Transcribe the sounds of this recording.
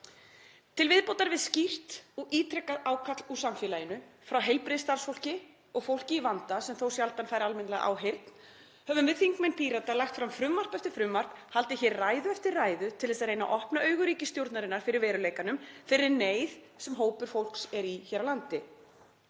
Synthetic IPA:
t̪ʰɪlvɪðpowt̪aɾvɪðscir̥t̪ɔɣiːt̪ʰɾɛkːaðaːwkʰat̪lusamfɛːlajɪnʏfɾawɦejlpɾɪðɪst̪aɾrsfowl̥cɪ | ɔɣfowl̥cɪivant̪asɛmθowsjalt̪anfaːjɾalmɛnlɛɣʔa̰ːwɦejɾt̪n̥ | hɛvʏmvɪðθiŋkmejnpiːɾat̪alaxt̪fɾamfɾʏmːar̥pɛft̪ɪɾ̥fɾʏmːar̥phalt̪ɪçɛɾraːjðʏɛft̪ɪrraːjðʏt̪ʰɪlðɛːsaðɾejna̰ʔɔhpnaœːɥɣʏɾiːcɪst̪jowɾt̪naɾɪnːaɾ̥fɪɾɪɾvɛːɾʏleːjkanʏmfɪɾːɪɾnejð | sɛmɦoːwpʏɾ̥fowl̥ksɛɾiçɛɾalant̪ɪ

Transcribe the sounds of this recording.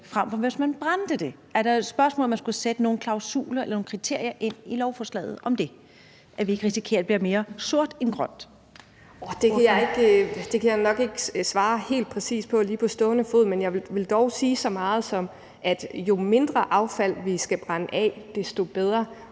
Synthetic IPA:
fʁam̰fɒʋesmænb̥ʁand̥əd̥e̝ | æɐɾ̥ɑsb̥ɶɐsmɔ̰ːlɒmænsɡ̥used̥əno̝ːn̩kʰlɑ̈ʊsṵːlɐelɐno̝ːn̩kʰʁit͡sʰe̝ɐ̰jɐʔe̝n̰ilɒʊfɒːslɛ̰ːð̞̩ˠʔɒ̽md̥e̝ | ʔæɐʋie̝ɡ̥ʁisikʰe̝̰ɐd̥̚b̥liɐme̝ːɐso̝ɐ̰d̥enɡ̥ʁɶn̰d̥ | d̥e̝æjae̝ɡ̥d̥e̝kʰæjanɒ̽ɡ̥e̝ɡ̥əsʋɑ̈ːhe̝̰ːld̥̚pʰʁɛsḭːspʰɒ̽liːpʰɒ̽sd̥ɔ̽ːnəfo̝ð̰ˠmenjɑ̈ɪʋe̝ld̥ɒʊsiːsɒ̽mɑ̈ːð̞̩ˠsɒ̽m | ʔæd̥jo̝me̝nd̥ʁɐʔɑ̈ʊfæl̰ʋisɡ̥æb̥ʁanəʔɛ̰d̥esd̥o̝b̥eð̞ˠʁɐ

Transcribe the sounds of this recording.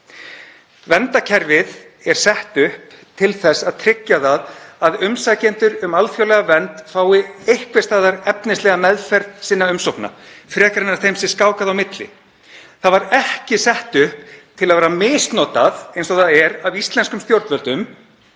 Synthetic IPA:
vɛnt̪acʰɛɾvɪð | ɛɾ̥sɛht̪ʏhp | t̪ʰɪlθɛsːaðt̪ʰɾɪcːaðaðaðʏmsacɛnt̪ʏɾʏmalfjawlɛɣavɛnt̪faːwɪejhkvɪst̪aːðaɾɛpnɪst̪lɛɣamɛðfɛɾðsɪnːaʏmsowkna̰fɾɛːkaɾɪnːaɾ̥θejmsɪskaːwkaðawmɪt̪lɪ̰ | θaðvaɾɛhcɪsɛht̪ʏhp̚t̪ʰɪlaðvɛːɾamɪːst̪nɔːt̪aðejnsɔθaðɛɾavist̪lɛnskʏmst̪jowɾt̪vœlt̪ʏm

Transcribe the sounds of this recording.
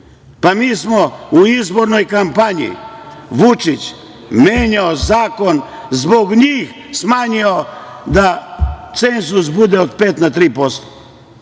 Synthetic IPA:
pamiːsmouizboɾnojkampaɲḭʋut͡ʃit͡ʃ | meːɲaozaːkonzboɡɲiːx | smaːɲiod̪at̪senzusbud̪eot̪peːt̪nat̪ɾiːpost̪o̥

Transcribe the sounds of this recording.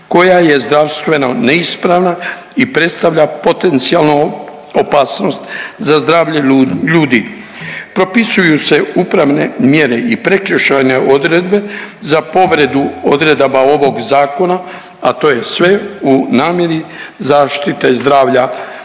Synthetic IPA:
ko̞jaje̞zd̪ɾaʋst̪ʋe̞noneispɾaʋna | ipɾe̞t̪st̪aʋʎapo̞t̪e̞nt̪sialno | opaːsno̞st̪zazd̪ɾaːʋʎeʎuːd̪i | pɾo̞pisujuse̞upɾaʋne̞mje̞ɾeipɾe̞kɾəʃajneʔo̞d̪ɾed̪be̞zapo̞ʋɾe̞d̪uod̪ɾe̞d̪abao̞ʋo̞ɡzaːko̞na | at̪o̞je̞sʋe̞unaːmjeɾizaːʃt̪it̪e̞zd̪ɾaːʋʎa

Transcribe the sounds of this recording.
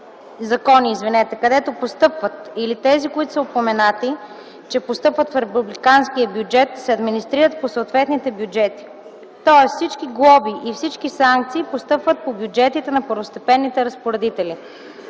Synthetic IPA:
zɐkɔniːzvinɛt̪ɛkɐd̪ɛt̪opost̪ɤpvət̪ilit̪ɛzikoit̪ʊ̥səopomɛnat̪i | t͡ʃɛpost̪ɤpvət̪fɾɛpublikanskijəbjud͡ʒɛt̪sɛɐd̪minist̪ɾiɾət̪̚posoʊt̪vɛt̪nit̪ɛbjud͡ʒɛt̪i̥ | t̪ɔɛssit͡ʃkiɡlˠɔbiʔifsit͡ʃkisaŋk̚t̪siːpost̪ɤpvət̪̚pobjud͡ʒɛt̪it̪ɛnɐpəɾvost̪ɛpɛnːit̪ɛɾɐspoɾɛd̪it̪ɛli

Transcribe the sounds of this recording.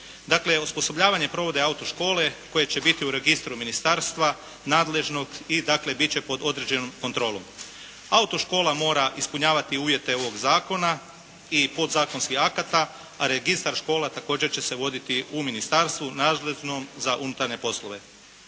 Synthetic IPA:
d̪akle̞ospo̞so̞bʎaːʋaɲe̞pɾo̞ʋo̞d̪eaut̪o̞ʃko̞ːle̞ko̞je̞t͡ɕe̞bit̪iuɾe̞ɡist̪ɾuminist̪aɾst̪ʋa | naːd̪le̞ʒno̞ɡid̪akle̞bit͡ɕe̞po̞d̪o̞d̪ɾe̞d͡ʑe̞nomko̞nt̪ɾo̞ːlˠom | aut̪o̞ʃko̞ːlamo̞ːɾaʔispuɲaːʋat̪iuːʋje̞t̪e̞o̞ʋo̞ɡzaːko̞na | ipo̞d̪zaːko̞nskihakat̪aː | ɾe̞ɡist̪aɾʃko̞ːlat̪ako̞ːd͡ʑe̞ɾt͡ɕe̞se̞ʋo̞d̪it̪iuminist̪aɾst̪ʋunaːd̪leʒnomzaʔunut̪aɾɲe̞po̞slˠoʋe̞

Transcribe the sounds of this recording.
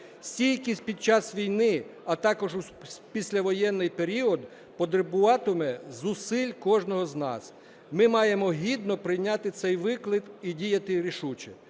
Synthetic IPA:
sʲtʲijʲkʲis̚ʲpʲid̪̚t͡ʃɑsʋʲijnɪɐt̪ɑkɔʒu | pʲisʲlʲɐʋɔjɛnːɪjpeɾʲiɔd̪ | pɔd̪ɾɪbʊʋɑt̪ɔmɛzʊsɪlʲkɔʒnɔɦɔznɑ̰s | mɪmɑjemɔɦʲid̪nɔpɾɪjnʲɑt̪ɪt̪sɛjʋɪklˠɪt̪idʲijɐt̪ɪɾʲiʃut͡ʃɛ

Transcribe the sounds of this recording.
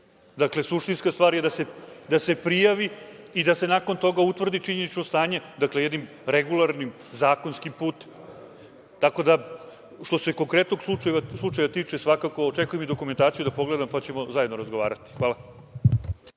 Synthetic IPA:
d̪akle̞suʂt̪inskast̪ʋaːɾjed̪ase̞d̪ase̞pɾijaʋi | id̪ase̞nako̞nt̪o̞ɡaut̪ʋr̩d̪it͡ʂiɲenit͡ɕnost̪aːɲe̞d̪aklejed̪nim | ɾeɡulˠaɾnim | zaːko̞nskimpuːt̪e̥m | t̪ako̞d̪a | ʃt̪o̞se̞ko̞ŋkɾet̪no̞ɡslˠut͡ʃajeʋaslˠut͡ʂajʋat̪iːt͡ʂe̞sʋakako̞ːʈ͡ʂe̞kujemid̪o̞kume̞nt̪aːt̪sijud̪apo̞ɡle̞d̪ampat͡ɕe̞mo̞zajed̪noɾazɡoʋa̰ːɾat̪i̥xʋaːla

